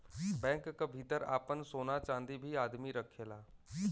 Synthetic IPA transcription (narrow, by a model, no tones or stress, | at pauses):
bɛ̃ːŋkːabʱit̪əɾa̰ːpənsoːnat͡ʃãːnd̪ibʱiaːd̪miɾəkʰːeːlaː